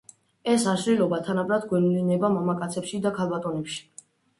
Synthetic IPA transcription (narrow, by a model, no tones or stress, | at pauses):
ɛsaʃlilɔbat̪ʰanabɾad̪ɡwɛnulinɛbamamakʼat̪sʰɛpʃid̪akʰalˠbat̪ʼɔnɛpʃi̥